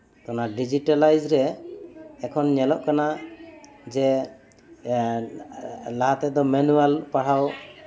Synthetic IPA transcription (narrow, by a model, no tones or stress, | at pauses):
t̪anaɖid͡ʒiʈalajd͡ʒɾɛː | kʰɔnɲɛlɔʔkana | d͡ʒɛ | laɦat̪ɛd̪ɔmɛnualpaɽ̤aw